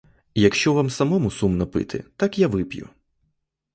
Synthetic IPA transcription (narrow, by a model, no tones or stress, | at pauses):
jɐkʃt͡ʃɔʋamsɐmɔmʊsumnɐpɪ̰t̪ʰɪ̰t̪ɑkjaʋɪpjʊ̰